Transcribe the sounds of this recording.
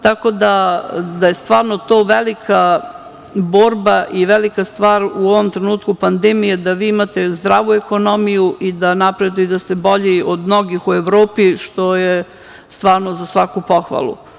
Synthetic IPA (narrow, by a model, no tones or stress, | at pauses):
t̪ako̞d̪ad̪ajest̪ʋaːɾnot̪o̞ːʋelikʰa | bo̞ːɾbaʔiʋelikast̪ʋaːɾuoʋomt̪ɾenuːt̪kupand̪emijed̪aʋiːimat̪e̞zd̪ɾaːʋueko̞no̞mijuʔid̪anapɾe̞d̪ujid̪ast̪e̞bo̞ʎiʔod̪mno̞ɡixueʋɾoːpiʃt̪o̞je | st̪ʋaːɾnozasʋakupo̞xʋa̰lˠṵ